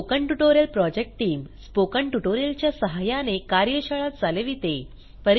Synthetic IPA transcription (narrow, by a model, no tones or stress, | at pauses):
okəɳʈuʈoɾjəlpɾɔd͡ʑek̚ʈʈiːmspokəɳʈuʈoɾjəlt͡ɕjasəɦajanekaɾjəɕaɭat̪̚d͡zaleʋiːt̪e | pəɾ